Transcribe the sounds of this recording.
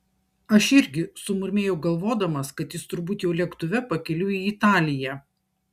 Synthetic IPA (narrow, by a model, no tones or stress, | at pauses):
ɐʃɪɾʲɡʲɪsʊmʊɾʲmʲeːjɛʊɡɐlˠʋoːd̪ɐmɐskɐt̪jɪst̪ʊɾbuːt̪jɛʊlʲɛkt̪ʊʋʲɛpɐkʲɛlʲʊiːɪt̪ɑːlʲɪjæː